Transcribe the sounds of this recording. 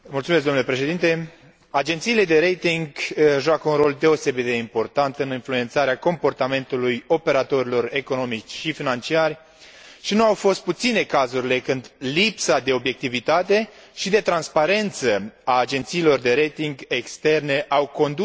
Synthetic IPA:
multsumes̬ɡ̪omnulepɾeʃe̞d̪int̪e̞ | ad͡ʒe̞nt̪siːle̞d̪e̞ɾejt̪iŋɡʒoakəunro̞ld̪e̞o̞se̞bit̪̚d̪eimpo̞rt̪ant̪ɨninflue̞nt̪saɾeako̞mpo̞rt̪ame̞nt̪ulujo̞pe̞ɾat̪o̞ɾilo̞ɾe̞ko̞no̞mit͡ʃʲʃifinant͡ʃiarʲ | ʃinuawfo̞st̪̚put̪sine̞kazuɾile̞kɨnd̪lipsad̪e̞o̞bje̞k̚t̪ivit̪at̪e̞ | ʃid̪e̞t̪ɾanspaɾe̞nt̪səaːd͡ʒe̞nt̪siːlo̞rd̪e̞ɾejt̪iŋɡe̞kst̪e̞rne̞ʔawko̞nd̪

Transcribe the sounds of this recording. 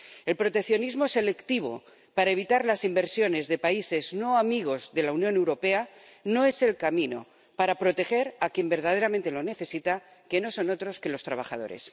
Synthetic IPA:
e̞lpɾo̞t̪e̞kθjo̞nizmo̞se̞le̞kt̪iβ̞o̞̰ | paɾaeβ̞it̪aɾlasimbe̞ɾsjo̞ne̞zðe̞paise̞zno̞amiɣ̞o̞zðe̞launjonewɾo̞pe̞a | no̞e̞se̞lkamĩno̞̰ | paɾapɾo̞t̪e̞xe̞ɾakje̞mbe̞ɾðaðe̞ɾamẽnt̪elo̞ne̞θe̞sit̪a | ke̞no̞so̞no̞t̪ɾo̞ske̞lo̞st̪ɾaβ̞axa̰ð̞o̞ɾe̞̰s

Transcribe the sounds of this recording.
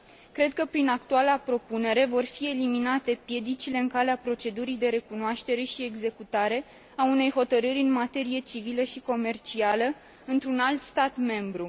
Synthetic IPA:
kɾe̞d̪̚kəpɾinakt̪ualeapɾo̞pune̞ɾe̞vo̞rfie̞liminat̪e̞pje̞d̪it͡ʃile̞ɨŋkaleapɾo̞t͡ʃe̞d̪uɾijd̪e̞ɾe̞kunoaʃt̪e̞ɾe̞ʃie̞ɡze̞kut̪aɾe̞ | aune̞jɦo̞t̪əɾɨɾʲɨnmat̪e̞ɾije̞t͡ʃiviləʃiko̞me̞rt͡ʃialə | ɨnt̪ɾunalt̪st̪at̪me̞mbɾu

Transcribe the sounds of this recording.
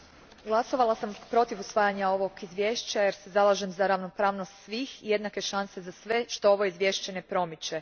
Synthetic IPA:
ɡlˠaso̞ʋalˠasampɾo̞t̪iʋusʋaːjaɲao̞ʋoɡizʋjeːʃt͡ɕajeɾsezalˠaʒemzaɾaʋno̞pɾaːʋnost̪sʋiːxije̞d̪nake̞ʃanse̞zasʋe̞ʃt̪o̞oʋo̞izʋje̞ːʃt͡ɕe̞ne̞pɾo̞mit͡ɕe

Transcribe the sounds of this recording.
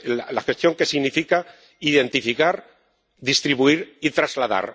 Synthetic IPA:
lalaxest̪jo̞ŋke̞siɣnifika | iðe̞nt̪ifikaɾ | ðist̪ɾiβuiɾit̪ɾazlaða̰ɾ

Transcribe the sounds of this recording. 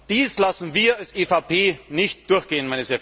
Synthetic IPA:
d̥iːslasn̩viːɐalsʔeːfaʊpʰeːnɪçtd̥ʊɐçɡ̥eːənmaɪnəsɛɐ

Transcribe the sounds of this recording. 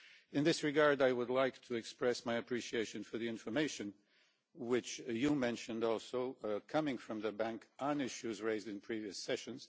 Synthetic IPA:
ɨ̃nðɪsɹɨɡɑɹdaɪwʊdˡlaɪktʰɨɨkspɹɛsmaɪɨpʰɹ̥iʃieɪʃɨ̃nfə˞ðiɪ̃ɱfə˞meɪʃɨ̃n | wɪt͡ʃjɨmɛ̃nʃɨ̃ndɔlˠsoʊkʰʌmɪ̃ŋfɹʌ̃mðɨbæ̃ŋkʔə̃nɪʃʉzɹeɪzdɨ̃npʰɹ̥iviɨsɛʃɨ̃nz̥

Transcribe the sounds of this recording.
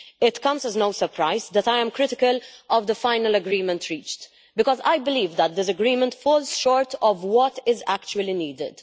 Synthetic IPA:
ɪt̪kʌ̃mzɛznoʊsəɾpʰɾaɪzd̪ɛt̪ajɛ̃mkɾɪtɪkəlʔɔvd̪əfaɪnəlɐɡɾiːmə̃nt̪ʰɾiːt͡ʃt | bɪkɔza̰jbɪliːvd̪ət̪̚d̪ɪs̬ɐɡɾiːmə̃nt̪fɔːlz̥ʃɔːɹt̪ɔvwɔt̪ɪzækt͡ʃuəliniːd̪ɪ̰d̪̥

